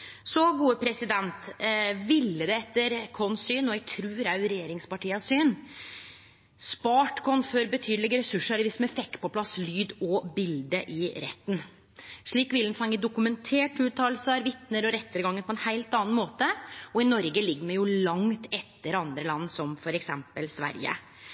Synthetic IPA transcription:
sɔɡuːəpʰɾɛsɪd̪ɛnt̪ʋɪlːəd̪ɛɛt̪ːəɾkʰɔnsyːnɔɛɡt̪ʰɾʉːɾæʉɾɛjeːɾɪŋspɑʈiːɑsyːn | spɑːʈkʰɔnføɾbət̪ʰyːd̪lɪɡɾɛsʉʂəɾʋɪsmɛfɛkt̪pʰɔpʰlɑslyːd̪ɔbɪld̪əʔɪɾɛ̰t̪ːn̩ | ʂɭiːkʋɪlɛnfɑŋːəd̪ʊkʉmɛnt̪ʰeːʈʉːt̪ʰɑːlsəɾʋɪt̪nəɾɔɾɛt̪ːəɾɡɑŋːəpʰɔɛnhæɪlt̪ɑːnmoːt̪əɔɪnɔɾɡəlɪɡːəmɛjʊlɑŋt̪ʰɛt̪ːəɾɑnd̪ɾəlɑnːsɔmfɔɾɛksɛmpəlsʋæ̰ɾjə̰

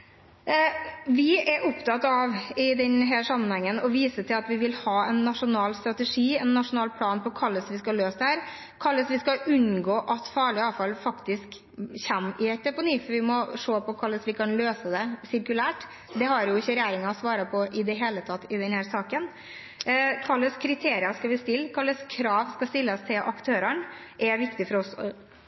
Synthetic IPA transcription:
ʋɪɛɾʔʊpt̪ɑt̪ːɑʋɪd̪ɛnɦæːʂɑmːənhɛŋːənɔʋiːsət̪ʰɪlɑt̪ʋɪʋɪlhɑːɛnːɑʂʊnɑːlst̪ɾɑt̪əʂiːɛnːɑʂʊnɑːlpʰlɑːnpɔkʰɑlːəsʋɪskɑløːsd̪hæːɾ | kʰɑlːəsʋɪskɑʔʉnɡoːʔɑt̪fɑːɭɪɑːfɑlfɑkt̪ɪsk | çæmɪɛt̪̚d̪ɛpʊniːfɔɾʋɪmɔʂoːpɔkʰɑlːəsʋɪkʰɑnløːsəd̪ɛsɪɾkʉlæːʈ | d̪ɛɦɑɾjʊɪçːəɾɛjeːɾɪŋɑɔsʋɑːɾɑpʰɔʔɪd̪ɛɦeːlət̪ʰɑt̪ːɪd̪ɛnhæːɾsɑːkən | kʰɑlːəskʰɾɪt̪ʰeːɾɪɑskɑʋɪst̪ɪlːkʰɑlːəskʰɾɑːʋskɑst̪ɪlːəst̪ʰɪlʔɑkt̪ʰøːɾəɳʔɛʋɪkt̪ɪfɔɾɔsɔ

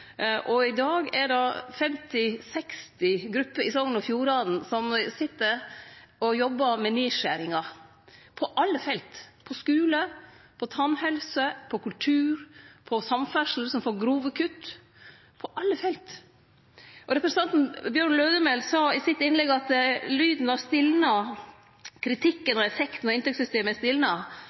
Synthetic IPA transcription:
ʔɔɪd̪ɑːɡɛɖɑfɛmt̪ɪsɛkst̪ɪɡɾʉpːəɾɪsɔŋnɔfjuːɾɑːd̪n̩sɔmsɪt̪ːəɾɔjɔbːɑmɛniːʃæɾɪŋɑ | pʰɔʔɑlːəfɛlt̪pʰɔskʉːləpʰɔt̪ʰɑnhɛlsəpʰɔkʉlt̪ʰʉːɾpʰɔsɑmfœʂl̩əsɔmfoːɾɡɾuːʋəkʰʉt̪ː | pʰɔʔɑlːəfɛlt̪ | ʔɔɾɛpɾɛsɑnt̪nbjøɾɳløːd̪əmɛlsɑːɪsɪt̪ɪnlɛɡɑt̪lyːd̪n̩ɑst̪ɪlnɑ | kʰɾɪt̪ʰɪkːənɔɛfɛkt̪n̩ɔɪnt̪ɛksʏst̪eːməæst̪ɪlnɑ

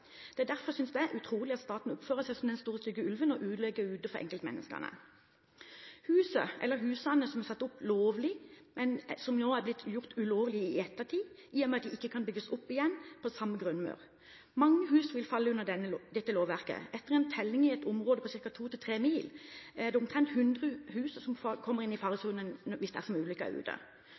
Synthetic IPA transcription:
d̪̥ɛæd̪æɾfɔʁsʏnsd̪ɛæʁʔʉt̪ʰʁuːlɪɑt̪st̪ɑːt̪n̩ʊpføːʁəsæɪsɔmd̪ɛnst̪uːʁəst̪ʏɡəʉlʋənɔʔʉːd̪lɛɡəʉːd̪əfɔʁʔɛ̰ŋkəlt̪mɛ̰nʔə̰skə̰nə̰ | hʉːsə̰ʔɛ̰lːəɾɦʉːsɑnəsɔmɛʁsɑt̪ːʊploːʋlɪmʔɛnsɔmnoːæblɪt̪ːjʊʁt̪ʉloːʋlɪɪɛt̪ːəʁt̪ʰiː | iːɔmɛɑt̪d̪ɪʔɪkːəkʰɑnbʏɡːəsʊpːɪjɛnːpʰɔsɑmːəɡʁʉnmɑ̰ːʁ | mɑŋːəɦʉːsʋɪlfɑlːəʉnːəʁɛnːəd̪ɛt̪ːəloːʋæʁkə̰ʔɛt̪ːəʁɛnt̪ʰɛlːɪŋɪɛt̪ʊmʁoːd̪əpʰɔsɪʁkɑt̪ʰuːt̪ɪlt̪ʰʁeːmiːlæd̪ɛʊmt̪ʰʁɛnt̪hʉnd̪ʁəhʉːsəsɔmfkʰɔmːəʁɪnːɪfɑːʁəsuːnənʋɪsd̪ɛæ̰ʁsɔmʉːlʏkːəɑ̰ʉ̰ːd̪ə̰

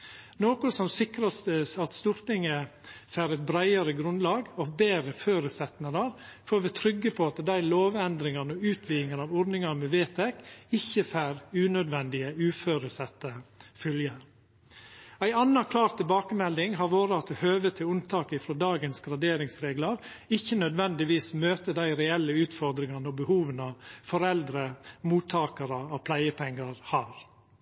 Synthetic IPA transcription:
noːkʊsɔmsɪkɾɑst̪əsɑt̪st̪ʊɾt̪ɪŋəfæːɾɛt̪̚bɾæɪəɾəɡɾʉnd̪lɑːɡɔbeːɾəføːɾəsɛt̪nəɾɑɾfoːɾʋɛt̪ʰɾʏɡːəpʰɔɑt̪d̪æɪloːʋɛnd̪ɾɪŋɑnɔʉːt̪ʰʋiːɪŋənɑːʋɔɾd̪nɪŋɑmɛʋeːt̪ʰɛkɪçːəfæːɾʉːnœd̪ʋɛnd̪ɪəʉːføːɾəsɛt̪ːəfœljəɾ | æɪɑnːɑkʰlɑːɾt̪ʰːɪlbɑːkəmɛld̪ɪŋɦɑɾʋoːɾəɑt̪̚ɛhøːʋət̪ʰɪlʊnt̪ʰɑːkɪfɾod̪ɑːɡənsɡɾɑd̪eːɾɪŋsɾeːɡləɾɪçːənœd̪ʋɛnd̪ɪʋiːsmøːt̪əd̪æɪɾɛɛlːəʉːt̪fɔɾd̪ɾɪŋɑnəɔbəhuːʋənɑfɔɾɛld̪ɾəmuːt̪ʰːɑːkəɾəɔpʰlæɪəpʰɛŋːɑɾhɑːɾ

